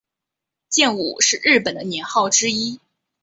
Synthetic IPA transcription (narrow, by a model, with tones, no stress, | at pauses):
t͡ɕjɛ˥˧nṵ˨˩ʂɻ̩˥˧ɻɻ̩˥˩pə˨˩nd̪ə˦njɛ˧˥nxɑ˥˩ʊʈ͡ʂɻ̩˥i˥